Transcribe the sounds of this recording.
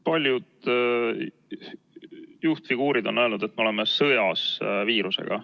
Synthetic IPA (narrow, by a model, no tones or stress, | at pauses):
pɑlʲjud̪̥ | juht̪fiɡ̥uːɾid̪̥o̞nːøelnud̪̥e̞t̪̚ːmeoemesɤjɑsviːɾuse̞̰ɡ̥ɑ̰